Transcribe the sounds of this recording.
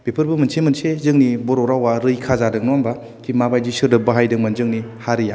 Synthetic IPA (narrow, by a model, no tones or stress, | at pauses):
pepʰɯɾbɯmɯnsemɯnsezɯŋnibɔɾɔɾawaɾɯjkʰazadɯŋnɔamba | kʰimabajd͡ʒisɯɾdɯbaɦajdɯŋmɯnzɯŋnihaɾɯja